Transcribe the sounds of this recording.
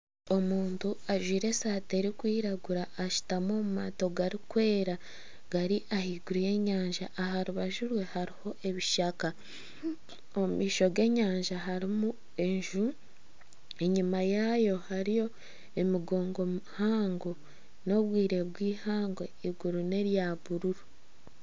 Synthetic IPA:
o̞muːntuaʒwiːɾe̞saːte̞ɾikwiːɾaɡuɾaʔːʃu̥tamo̞ːmuma̰ːto̞ɡaɾikwe̞ːɾa | ɡ̥aɾiʔahiːɡuɾije̞ɲaːɲʒaʔːɦaɾuβaʒuɾwe̞haɾiho̞ʔe̞βiʃaka | oumiːʃo̞ɡe̞ːɲaːɲʒaɦaɾimu | e̞ɲʒu | e̞ɲumajajo̞haɾijo̞ | e̞miɡo̞ːŋɡo̞muhaːŋɡo | no̞βwiːɾe̞βwiːhaːŋɡwe̞iɡuɾune̞ɾjaβuɾuɾu

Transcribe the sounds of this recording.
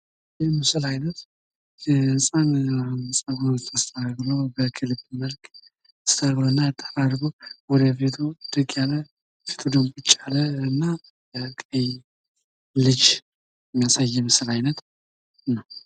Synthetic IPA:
jɛmɨsɨlajnət̪ | ɛɨnsʼannɨsʼaɡont̪ʰʼast̪ʰʼənaɡlobəkʰɨlbməlkʼ | ɨst̪ʰəɾɡoɨnːaat̪ʼːəɾaɾɡowɔd̪əfet̪ʰod̪̥ɨɡʼjalːə | fet̪ʰod̪əmɡʷʼut͡ʃʼːaləɨnːa | kʼəj | lɨd͡ʒ | jɛmːijasajːɛmɨsɨlajnət̪ | nːəw

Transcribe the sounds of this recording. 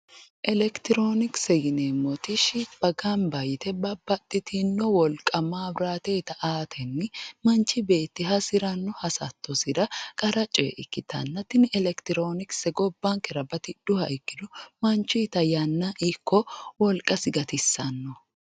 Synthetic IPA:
ʔɛlɛkt̪ɪɾoːnɪksɛɡɪnemːɔt̪ɪʃɪb̥ɐɡanbɐjɪt̪ɛbɐbːɐt̪ʼːɪt̪ʰɪnːɔwɔlkʼɐmaːbɾaːt̪e̞ːt̪ɐʔaːt̪ʰɛnːɪmɐnt͡ʃːɪbe̞ːt̪ːɪɦɐsɪɾɐnːɔhɐsɐ̰t̪ːɔsɪd̪ɐkʼɐɾɐt͡ʃʼḛʔɪkːɪt̪ʰɐ̰nːɐt̪ɪnɛlɛkt̪ɪɾoːnɪksɛɡɔbːɐŋkɛɾɐbɐt̪ɪd̪̥ʊhɐ̰jkːɪd̪ʊmɐnt͡ʃːiːt̪ɐjɐnːɐʔɪkʰːɔwɔlkʼɐsɪɡɐt̪ɪsːɐnːɔ

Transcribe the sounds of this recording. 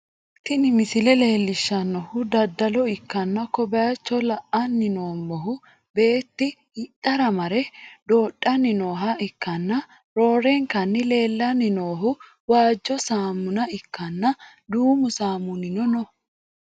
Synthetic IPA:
t̪ːɪnɪmɪsɪlɛle̞ːlːɪʃːɐnːɔhʊd̪ɐd̪ːɐlɔɪkːɐnːɐkɔbɐjɐt͡ʃːɔlɐʔɐnːɪnoːmbɔɦʊ | be̞ːt̪ːɪ | ɪt̪ʼːɐɾɐmɐɾɛd̪o̞ːɗʼːɐnːɪnoːɦɐɪkːɐnːɐ | ɾo̞ːɾɛŋkɐnːɪle̞ːlːɐnɪno̞ːɦʊ | waːd͡ʒːɔsaːmːʊnɐɪkːɐnːɐ | d̪uːmʊsaːmːʊnɪnɔnɔ

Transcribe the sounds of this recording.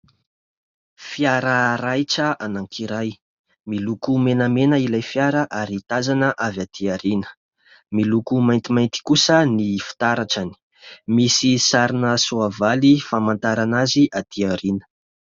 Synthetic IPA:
fjaɾəɾajʈ͡ʂəʔanaŋkʰiɾaj | milukumenəmenəilajfjaɾəʔaɾit̪azanəʔavjad̪iaɾinə̥ | milukumajnt̪imajnt̪i̥kusənifi̥t̪aɾaʈ͡ʂani̥ | misisaɾinəsuavalifamant̪aɾanaziʔat̪iaɾinə̥

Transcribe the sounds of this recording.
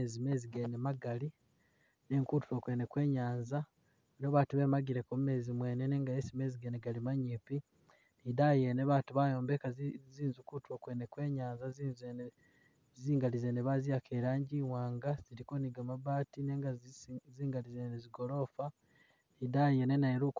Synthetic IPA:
ezime̞ziɡenemaɡali | neŋkuːtuɾokwe̞ne̞kwe̞ːɲaːnza | noβaːtuβe̞ːmaɡiɾekomume̞ːzimwe̞ːneneːŋɡaesime̞ːziɡeneɡalimaɲipi | nidajeneβaːtuβajo̞ːmbekaziːnzukutuokwene̞kwe̞ːɲaːnzaziz | ziːŋɡalizeneβazijakʰeːɾaːɲɟiwaːŋɡaz̥iɾikoniɡamaβaːtine̞ːŋɡazziːŋɡalizeneziɡo̞lo̞fa | nidajenenajeɾuk

